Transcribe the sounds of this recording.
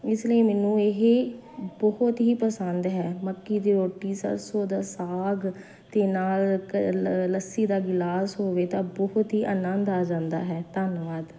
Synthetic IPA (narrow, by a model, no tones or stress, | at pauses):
ɪsləiːmɛːnũːeɦe | bɔɦʊt̪ɦiːpəsənd̪ɦɛːməkːiːd̪iːɾoːʈiːsə̰ɾsoːd̪aːsaːɡ | t̪eːnaːl | ləsiːd̪aːɡɪlaːsɦoːʋeːt̪ãːbɔɦʊt̪ɦiːʔənə̃nd̪aːd͡ʒãːnd̪a̰ːɦɛːt̪ənʋaːd̪